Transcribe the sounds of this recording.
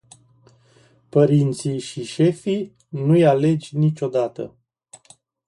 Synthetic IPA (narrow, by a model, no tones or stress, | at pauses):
pəɾint̪siʃiʃe̞fij | nujale̞d͡ʒʲnit͡ʃo̞d̪at̪ə̰